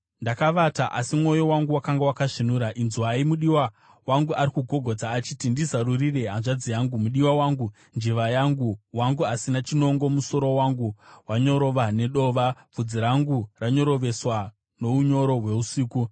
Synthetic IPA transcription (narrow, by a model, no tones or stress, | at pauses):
ndakaʋataʔasimwo̞jowaŋɡuwakaŋɡewakaʐinuɾaʔinzuɦaimuɗiwa | waŋɡuaɾikuɡʱo̞ɡʱo̞d͡zaːt͡ʃitindizarurireɦanʐad͡zijaŋɡumuɗiwawaːŋɡu | nd͡ʒiʋajaŋɡuwaŋɡuasinat͡ʃino̞ŋɡo̞muso̞ɾo̞waŋɡuwaɲo̞ɾo̞ʋane̞ɗo̞ːʋab͡vud͡ziɾaŋɡuraɲo̞ɾo̞ʋe̞swa | no̞uɲo̞ɾo̞ɦwe̞usiːku